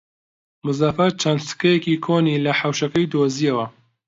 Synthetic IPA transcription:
mɨzafɐt͡ʃʰɐnd̪sɨ̥kɐjɛkikʰoːniːlɐħawʃɐkɐjd̪oːzijɐwɐ

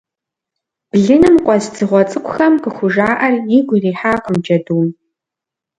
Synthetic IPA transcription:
b̥ɮɨnɨmqʷʼɔzd͡zɨʁʷɔt͡sʼɨkʷʰʼʊxɐmqəxʷʊʒaːʔɐrjɪɡʷriːħaːqəmd͡ʒɐduːm

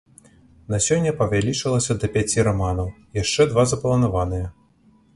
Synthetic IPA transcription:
nasʲɔnʲːɐpɐvʲalʲit͡ʂɨlˠɐsʲɐd̪ɐpʲat͡sʲiɾamanɐw | jaʂt͡ʂɛd̪vazɐplˠɐnavanɨjɛ

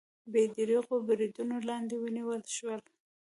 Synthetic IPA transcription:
bed̪ɾiɣobɾid̪unolɑnd̪ewəniwəlʃwəl

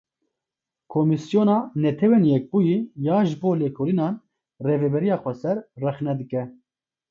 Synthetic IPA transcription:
kʰomisjoːnɑːnɛt̪ʰɛwenjɛk̚buːjijɑːʒɨboːleːkʰoːlinɑːn | reːvɛbɛɾijɑːxʷɛsɛɾrɛxnɛd̪ɨkɛ

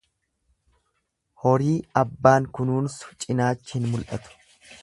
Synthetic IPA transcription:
hɔɾiːɐbːaːŋkʊnuːnsʊ̥t͡ʃʼɪnaːt͡ʃːɪhɪnmʊlʔɐt̪ʊ̥

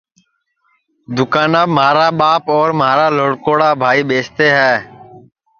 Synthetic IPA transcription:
d̪ʊkaːnaːmaːɾaːɓaːpɔːɾmaːɾaːloːɽkoːɽaːbʱaːiːɓeːst̪eːɦɛː

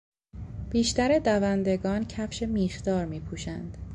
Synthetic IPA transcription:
b̥iːʃt̪æɾed̪ævænd̪e̞ɡɒːncʰæfʃe̞miːxd̪ɒːɾmiːpʰuːʃænd̪̥

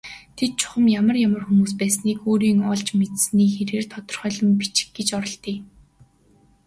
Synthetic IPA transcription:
t̪ʰet̪̚t͡ɕʰʊ̥χə̆mjamə̆rjamə̆rxumuːs̬pæːsniːkoːɾiːŋɔɮt͡ɕmet̪sniːxeɾeːrt̪ʰɔt̪ɞ̆r̥χœːɮɞ̆mpi̥t͡ɕɪ̥̆xɡet͡ɕɔɾɞ̆ɬt̪iː

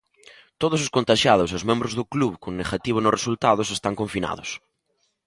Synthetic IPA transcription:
t̪oðʊsoskont̪aʃjað̞ʊsozmẽmbɾozðʊkluβkoŋneɣat̪iβ̞ʊnʊresult̪aðʊsest̪aŋkõɱfina̰ðʊs

